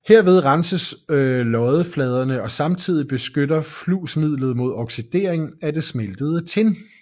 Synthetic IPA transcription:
he̝ɐ̰ʋe̝ð̞ˠʁɑnsəslɒ̽ɪðˠəflɛːð̞ˠɐnəɒ̽sɑ̈mt͡sʰið̞̰ˠib̥e̝sɡ̥ødɐfluːsmið̰ˠlð̞̩ˠmo̝ðˠɒ̽ɡ̥sid̥e̝̰ːɐeŋn̩æd̥e̝smeld̥əð̞̩ˠət͡sʰe̝l

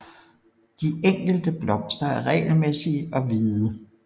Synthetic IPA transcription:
d̥ieŋ̰ɡ̥l̩d̥əb̥lɒ̽m̰sd̥ɐæɐʁɛ̰ɪl̩mesiɒ̽ʋiːðˠə

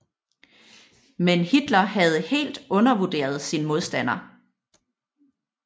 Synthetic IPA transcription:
menhid̥lɐhæð̞ˠhe̝̰ːld̥ɔ̽nɐʋud̥e̝̰ːɐð̞̩ˠsinmo̝ð̞ˠsd̥æn̰ɐ

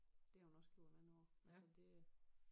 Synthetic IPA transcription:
d̥e̝hɑhunɒ̽sɡ̥jo̝ɐ̰̥enæn̩ˠɒ̰ælssəd̥e̝

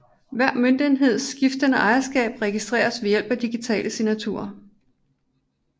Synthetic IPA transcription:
ʋæɐ̰mønd̥inɦe̝ð̞̰ˠsɡ̥ifd̥ənəʔɑ̈ɪɐsɡ̥ɛ̰ːb̥ʁɛɡ̥isd̥ʁḛːɐsʋe̝jel̰b̥æd̥iɡ̥it͡sʰɛ̰ːlʔəsinæt͡sʰṵɐ

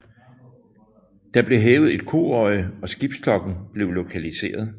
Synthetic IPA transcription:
d̥ɑ̈b̥le̝ɦɛːʊð̩ˠe̝d̥kʰo̝̰ːɒ̽ɪəɒ̽sɡ̥ib̥skʰlɒ̽ɡ̥n̩b̥le̝ʊlo̝kʰælise̝̰ːɐð̞ˠ

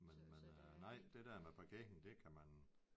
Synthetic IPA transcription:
menmennɑ̈ɪ̰d̥e̝d̥æɐmepʰɒɡ̥en̩d̥e̝kʰæmæn

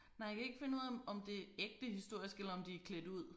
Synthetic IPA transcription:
nɑ̈ɪ̰jakʰæe̝ɡ̥əfe̝nuð̰ˠɒ̽md̥e̝eɡ̥̚d̥əhisd̥o̝ɐ̰isɡ̥elɐɒ̽md̥ikʰled̥əuð̰ˠ

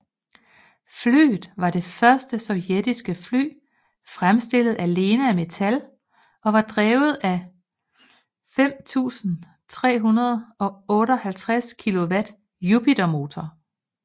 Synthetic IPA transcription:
fly̰ːð̩ˠʋɑ̈d̥e̝fɶɐsd̥əsɒ̽ʊjed̥isɡ̥əfly̰ː | fʁamsd̥e̝l̰ð̞̩ˠæle̝ːnəæme̝t͡sʰæl | ɒ̽ʋɑ̈d̥ʁɛːʊð̩ˠæ | fem̰t͡sʰṵːsn̩ | t͡sʰʁɛ̰ːɦunɐð̞̩ˠɒ̽ɔ̽ːɾəɒ̽hælt͡sʰʁaskʰilo̝ʋæd̥ | jupʰidæmo̝ːt͡sʰɒ

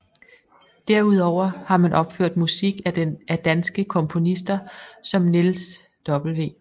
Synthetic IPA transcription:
d̥æɐ̰uðˠɒʊ̰ɐhɑ̈mænʔɒ̽b̥føɐ̰d̥musiɡ̥æ̥æd̥ænsɡ̥əkʰɒ̽mpʰo̝nisd̥ɐsɒ̽mnils | d̥ɒ̽b̥l̩ʋe̝̰ː

